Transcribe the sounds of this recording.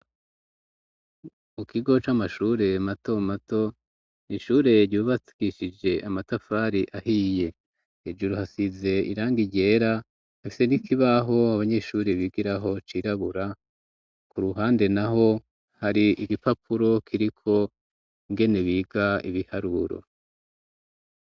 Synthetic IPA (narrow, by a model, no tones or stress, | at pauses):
mukiɡo̞t͡ʃamaʃuːɾe̞mato̞mato̞ | niʃuːɾe̞ɾɟuːβasi̥ɡiʃid͡ʒe̞ʔamatafaɾiʔahiːje̞ | ed͡ʒuɾuhasize̞ḭɾaːŋɡiɟe̞ːɾa | hafi̥se̞nikʰiβaɦo̞aβaɲe̞ʃuːɾeβiɡiɾaɦo̞t͡ʃiːɾaβuɾa | kʰuɾuɦaːnde̞naɦo̞ | haɾiiɡipapʰuɾo̞kʰiɾikʰo̞ | iŋɡe̞neβiːɡaḭβihaɾuɾo̞̰